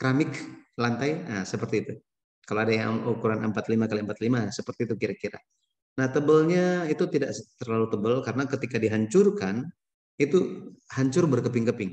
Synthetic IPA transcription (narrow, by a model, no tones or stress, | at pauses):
kɾamɪklant̪ajəsəpərt̪iːt̪u | kaloadajaŋukuɾanəmpat̪limakaliəmpat̪limasəpərt̪iːt̪ukiɾakiɾa̰ | naht̪əbəlɲait̪ut̪ida̰ʔst̪ərlalut̪əbəlkaɾənakət̪ikadiɦaɲt͡ʃʊrkan | it̪uhaɲt͡ʃʊrbərkəpɪŋkəpɪŋ